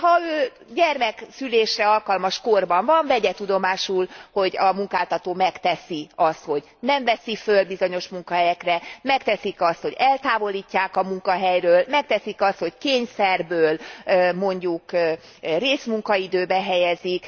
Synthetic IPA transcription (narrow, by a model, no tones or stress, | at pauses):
hɒøː | ɟɛrmɛksyleːʃrɛɒlkɒlmɒʃkorbɒɱvɒɱvɛɟɛt̪ud̪o̞maːʃulho̞ɟɒmuŋkaːlt̪ɒt̪oːmɛkt̪ɛsiɒst̪ho̞ɟ | nɛɱvɛsifølbizo̞ɲo̞ʃmuŋkɒɦɛjɛkrɛmɛkt̪ɛsikɒst̪ho̞ɟɛlt̪aːvo̞liːcːaːkɒmuŋkɒɦɛjrøːlmɛk̚t̪ɛsikɒst̪ho̞ckeːɲsɛrbøːlmo̞ɲɟuk | reːsmuŋkɒid̪øːbɛɦɛjɛzik